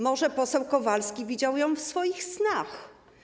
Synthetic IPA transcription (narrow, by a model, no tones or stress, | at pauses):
mɔʐɛpɔsɛwkɔvalskʲivʲid͡ʑawjɔ̃w̃fsfɔjixsnax